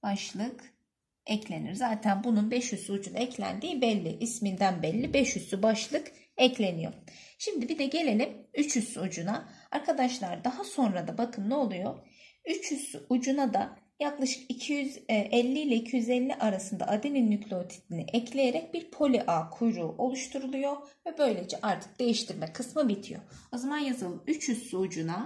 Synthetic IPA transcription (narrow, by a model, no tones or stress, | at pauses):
b̥aʃlˠɯk | ɛclʲe̞nḭɾzaːt̪ʰænbununbɛʃjysyud͡ʒunaɛclʲæ̰nd̪iːbɛlʲːiʔismind̪ænbɛlʲːibɛʃjysybaʃlˠɯk | ɛclʲe̞nijo̰ | ʃimd̪ibid̪ɛɟe̞lʲe̞lʲimyt͡ʃʰysyud͡ʒunaaɾkʰad̪aʃlˠaɾd̪aɦaso̞nɾad̪abakʰɯmnɛolˠujo | yt͡ʃhysy̰ʔud͡ʒunad̪a | jaklˠaʃɯ̥kicʰijyzʔɛlʲːiːlʲɛicʰijyzɛlʲːiʔaɾasɯnd̪a̰ʔad̪ininːycʰlʲot̪ʰi̥t̪ʰinḭʔɛclʲe̞jeɾɛc̚biɾpʰo̞lʲiʔaːkʰujɾuːʔo̞lˠuʃt̪ʰuɾulˠujo̞vɛbø̞jlʲe̞d͡ʒɛʔaɾt̪ʰɯ̥k̚d̪̥e̞jiʃt̪ʰiɾmɛkʰɯsmɯbit̪ʰijo̰o̞zamanjazalˠɯmyt͡ʃjysyud͡ʒuna